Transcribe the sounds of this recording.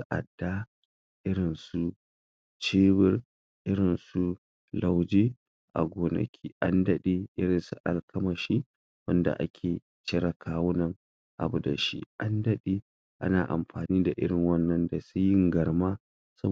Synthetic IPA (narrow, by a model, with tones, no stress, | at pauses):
sa˦ʔa̰˨dːa˦ | ʔɪ˦ɽɪ˨nsu˦ | t͡ʃeː˦bɪ˦r | ʔɪ˦ɽɪ˨nsu˦ | la˨wd͡ʒeː˦ | ʔa̰˨ɡʷoː˨nɐ̰˨kʲʰiː˦ʔa˦ndɐ˦ɗe˦ʔɪ˦ɽɪ˨nsu˨˦ʔa˨lkʰɐ˦mɐ˨ʃi˦ | wɐ˦nda̰˨ʔa̰˦kʲʰeː˨ | t͡ʃɪ˦ɽɐ˨kʰaː˦wʊ˦nɐ˨ŋ | ʔa̰˨bu˦da̰˨ʃḭ˦ʔa˦ndɐ˦ɗeː˦ | ʔa̰˦naː˨ʔa̰˨mɸaː˨niː˦da˨ʔɪ̰˦ɽɪ˨ŋwɐ˦nːɐ˦nda˨su˦jɪ˦ŋɡɐ˨ɽmaː˦ | sɐ̰˦